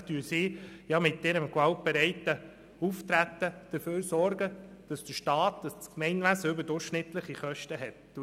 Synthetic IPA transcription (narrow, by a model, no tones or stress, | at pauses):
tyːsiːjɑmɪt̪ːɪɾəmkʋɑlt̚bɛɾɛɪtːə | uft̪ɾæt̪ːəd̥əføːɾsɔɾɡəd̥ɑsd̥əʃtɑːtdɑst͡skmɛɪnʋæsəʏbəɾdʊɾχʃnɪt̪ləχiχœʃtəɦɛt